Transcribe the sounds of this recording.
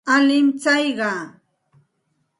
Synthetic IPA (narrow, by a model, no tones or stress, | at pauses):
alɪmt͡sajɢɑː